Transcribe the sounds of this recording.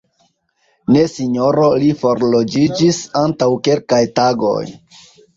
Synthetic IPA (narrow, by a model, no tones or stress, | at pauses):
ne̞siɲo̞ɾo̞lifo̞ɾlod͡ʒid͡ʒisantawke̞lkajtaɡo̞̰j